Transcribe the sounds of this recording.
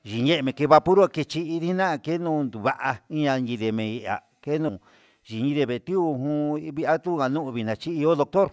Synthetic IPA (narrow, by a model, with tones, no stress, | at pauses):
ʒi˨ɲẽ˦ʔmẽ˨ke˧βa˧pu˦ɾu˦a˧ke˧t͡ʃi˧i˧ði˦nã˦˧ke˦nũ˧nd̪u˨βa˧ʔa˧i˦ɲã˧nĩ˧ðe˧mẽ˧i˧ʔa̰˨ | ke˦nũ˧ | ʒi˨ɲĩ˧ðe˧βe˨t̪i˦u˧ɦũ˦˧βi˧a˦t̪u˦˧a˨nũ˦ʔβi˧˨nã˨t͡ʃi˦i˧o˦ðo˧k̚t̪o˦ɾ